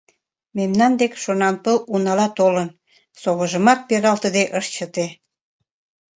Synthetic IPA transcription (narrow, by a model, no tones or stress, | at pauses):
memnɑnd̪ekʃonɑnpəlunɑlɑt̪olən | soɣəʒəmɑk̪̚peɾɑlt̪əd̪eʔəʃt͡ɕət̪e